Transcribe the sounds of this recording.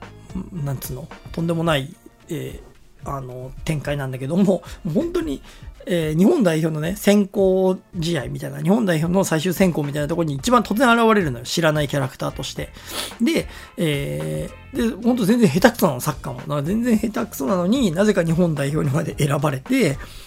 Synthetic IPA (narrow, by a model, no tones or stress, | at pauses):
ɯ̃nãntt͡sɨnːo̞t̪ond̪e̞mo̞nai | eːano̞t̪ẽ̞ŋkainãnd̪ake̞d̪o̞mo̞moːhõ̞nt̪o̞ɲ̟ieːɲ̟ihõ̞nd̪aiço̞ːno̞nesẽ̞ŋkoːʑit̪aimʲit̪aijna̰ɲ̟ihõnd̪aiço̞ːno̞saiɕɨːsẽ̞ŋko̞ːmʲit̪ainat̪okoɾoɲ̟iːt͡ɕibãnt̪o̞t͡s̬ɨzẽaɾaβaɾe̞ɾɯ̟nojoɕiɾanaikʲaɾakɯ̟̥t̪aːt̪o̞ɕi̥t̪e̞ | d̪e̞ | eː | d̪e̞hõnt̪̬ozẽ̞nd͡zẽɦe̞t̪akɯ̥sonansakːa̰mo̰nakzẽ̞nd͡zẽɰ̃he̞t̪akɯ̥sonano̞ɲ̟inaze̞kaɲ̟iɦõnd̪aiço̞ːɲ̟imad̪eʔeɾabaɾe̞t̪e̞